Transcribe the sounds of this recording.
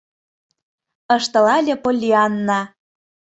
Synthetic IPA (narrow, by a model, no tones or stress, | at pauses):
ɤʃt̪ɤ̆lɑlʲĕpolʲːiɑnːɑ